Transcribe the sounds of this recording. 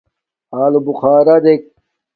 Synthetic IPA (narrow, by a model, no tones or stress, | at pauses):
aːlubuxaːɾɐd̪ek̚